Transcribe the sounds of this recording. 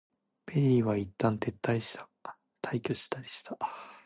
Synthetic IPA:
pe̞ɾʲiːβait̪ːãnt̪e̞t̪ːaiɕi̥t̪ḁ | t̪ʰaikʲɯɕi̥t̪aɾʲi̥ɕi̥t̪ʰa

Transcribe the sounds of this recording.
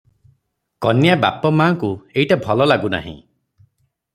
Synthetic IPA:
kɔnjaba̰pɔmaːŋkueiʈabʱɔlɔlaɡuna̰ɦḭ̃

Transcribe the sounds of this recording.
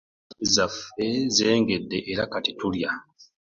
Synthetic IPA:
zafe̞ze̞ːŋɡe̞dːeʔːɾakatitulja

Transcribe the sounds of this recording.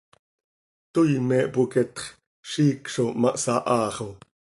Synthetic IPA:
t̪ojmɛːʔpukɛt̪χ | ʃiːkʃomɑʔsɑʔɑːχo

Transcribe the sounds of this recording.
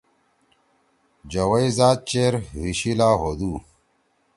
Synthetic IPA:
d͡ʑɐwɐizaːd̪̚t͡ɕeːɾwiɕilaːɦod̪uː

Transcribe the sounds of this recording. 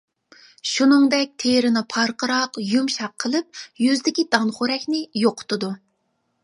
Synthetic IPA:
ʃunɨŋd̪ɛk̚ʲt̪ʰeɾɪnɪpʰɑɾqəɾɑqjumʃɑqʰːəlˠɨp̚jyzd̪ɪkʲid̪̥ɑnχʊɾɛkʲnɪjoqʰʊ̥t̪ʰʊd̪u

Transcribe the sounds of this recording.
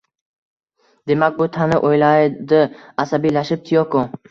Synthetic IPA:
d̪e̞mak̚ʲbʊt̪ʰanɪʔojlajd̪ɪasabijlaʃɪp̚t̪ʰijoko

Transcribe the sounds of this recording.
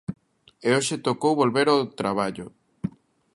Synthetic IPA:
eoʃet̪okowβolβeɾot̪ɾaβ̞aʎo

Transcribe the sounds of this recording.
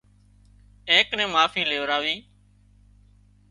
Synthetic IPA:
ẽːknẽːmaːfiːleːʋɾaːʋiː

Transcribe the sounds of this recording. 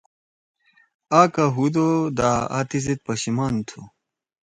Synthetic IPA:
aːkaɦud̪od̪aːa̰t̪iz̬et̪̚pɐɕimaːnt̪ʰu

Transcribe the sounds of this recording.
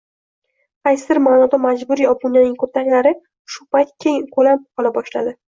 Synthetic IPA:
qajsɪɪɾmaːnɒd̪amad͡ʒbʊɾjɒpʊnjanɪŋkʰoɾt̪ʰaŋʲlaɾɪ | ʃʊpajt̪̚kʲʰekʰolamqʰɒlˠabɒʃlad̪ɪ

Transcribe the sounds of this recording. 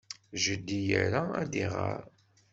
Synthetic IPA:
ʒəd̪ːijəɾaæd̪iʁa̰ɾ

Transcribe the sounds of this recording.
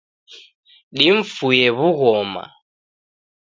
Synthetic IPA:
ɗiɱ̩fujɛβuɣɔːma̰

